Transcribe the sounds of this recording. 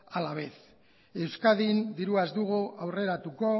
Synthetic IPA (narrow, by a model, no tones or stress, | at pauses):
alaβ̞e̞s | e̞wskaðind̪iɾuazd̪uɣ̞uawre̞ɾat̪uko̞